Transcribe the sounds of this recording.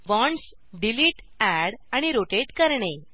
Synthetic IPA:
ʋɔ̃ɳs | ɖiliːʈ | æɽaɽ̃iɾoʈeɖkəɾɳe

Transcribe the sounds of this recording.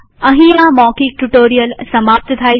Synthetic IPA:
ɐɦĩãmɔːkik̚ʈuʈoːɾijəlsɐmaːp̚t̪ət̪ʰaːi

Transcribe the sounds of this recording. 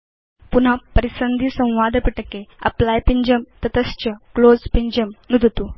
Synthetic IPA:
pun̤apəɾisənd̪ʱisə̃w̃ʋad̪piʈəkeɐ̰plajpiɲd͡ʑəmt̪ɐt̪əst͡ɕəklod͡zpiɲd͡ʑəmnud̪ʱət̪u

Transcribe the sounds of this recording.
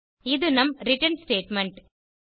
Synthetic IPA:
ɪðɯnɐmɾɪʈɐnsʈeːʈmɛɳʈ

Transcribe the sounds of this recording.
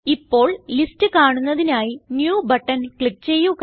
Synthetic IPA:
ipːo̞ːɭlistɨkaːɳunːɐðinaːjinjuːbɐʈːɐnkɭik̚t͡ɕe̞jːuk

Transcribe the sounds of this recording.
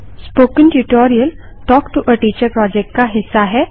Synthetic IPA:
spoːkɪ̃nʈuʈɔɾijəl | ʈɔːkʈuʔəʈiːt͡ɕəɾpɾɔd͡ʒek̚ʈkaɦɪsːaɦɛ

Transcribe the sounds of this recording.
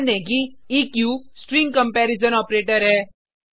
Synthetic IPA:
nẽkiikjusʈɾiŋɡkɐmpɛːɾizənɔːpɾeːʈəɾɦɛ

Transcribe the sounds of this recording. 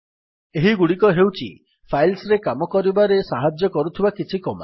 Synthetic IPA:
eɦiɡuɽikɔɦewt͡ʃʰḭ | pʰajlsɾekamɔkɔɾibaɾesaɦad͡ʒjɔkɔɾut̪ʰibakit͡ʃʰikɔma̰

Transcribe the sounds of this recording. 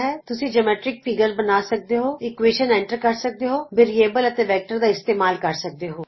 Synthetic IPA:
ɦɛːt̪ʊsĩːd͡ʒəmɛːʈɾɪk̚fiːɡəɾbənaːsək̚d̪eɦoːɪkʋeːʃənɛ̃ːɳʈəɾkəɾsək̚d̪eɦoːbɪɾieːbələt̪eːʋɛːk̚ʈəɾd̪aːɪst̪eːmaːlkəɾsək̚d̪eːɦoː

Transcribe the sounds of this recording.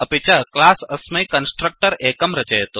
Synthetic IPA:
ɐpit͡ʃɐklasəsmɐjkənsʈɾək̚ʈəɾekəmɾɐt͡ʃeɦt̪o

